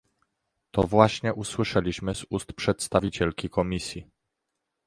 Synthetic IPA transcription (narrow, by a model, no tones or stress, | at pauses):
t̪ɔvwaɕɲɛʔuswɘʂɛlʲiɕmɘzust̪pʂɛt̪st̪avʲit͡ɕɛlkʲikɔmʲisʲji